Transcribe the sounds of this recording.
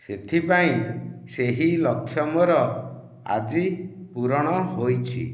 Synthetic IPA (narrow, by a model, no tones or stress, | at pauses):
set̪ʰipaĩseɦilɔkʰːjɔmɔɾɔ | a̰d͡ʒipuɾɔɽ̃ɔɦojt͡ʃʰḭ